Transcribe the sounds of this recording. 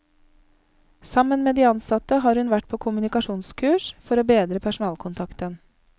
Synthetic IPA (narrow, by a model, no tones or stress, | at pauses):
sɑmənmeːd̪iːɑnsɑt̪əɦɑːɾhʉnʋæʈ̚pʰoːkʰʊmʉnɪkɑʃuːnskʰʉːʃfɔɾoːbeːd̪ɾəpʰæʃʊn̩ɑːlkʰʊnt̪ʰɑkt̪ən